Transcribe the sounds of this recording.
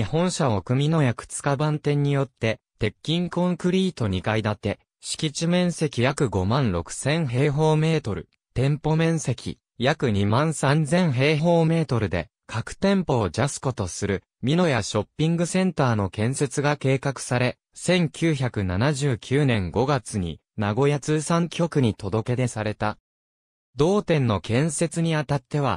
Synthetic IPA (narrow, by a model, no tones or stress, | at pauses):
ihõ̞ɰ̃ɕaokɯ̟mʲino̞jakɯ̟̥t͡sɨ̥kabãnt̪ẽ̞ɲ̟ːijo̞t̪ːe̞t̪e̞kʲːĩŋkõ̞ŋkɯ̟ɾʲiːt̪o̞ɲ̟ikaid̪at̪ːe̞ | ɕi̥kʲit͡ɕimẽ̞ɰ̃se̞kʲijakɯ̟ɡo̞mãnɾo̞kɯ̟̥sẽ̞ɰ̃ɦe̞ːɦo̞ːme̞ːt̪o̞ɾɯ̟̰ | t̪ẽ̞mpo̞mẽ̞ɰ̃se̞kʲḭ | jakɯ̟ɲ̟imãɰ̃sãnd͡zẽ̞ɰ̃ɦe̞ːɦo̞ːme̞ːt̪o̞ɾɯ̟d̪e̞̰ | kʰakɯ̟̥t̪ẽ̞mpo̞ːd͡ʑasɨ̥ko̞t̪o̞sɨɾɯ̟ | mʲino̞jaɕo̞pʲːĩŋɡɯ̟sẽ̞nt̪aːno̞kẽ̞ɰ̃se̞t͡sɨɡake̞ːkakɯ̟̥saɾe̞ | sẽ̞ŋkʲʰɨːçakɯ̟nanaʑɨːkʲɨːnẽŋɡo̞ɡat͡sɨɲ̟ḭ | naɡo̞jat͡sɨːsãŋkʲo̞kɯ̟ɲ̟it̪o̞d̪o̞ke̞d̪e̞saɾe̞t̪a | d̪o̞ːt̪ẽ̞nːo̞kẽ̞ɰ̃se̞t͡sɨɲ̟iat̪at̪ːe̞βa̰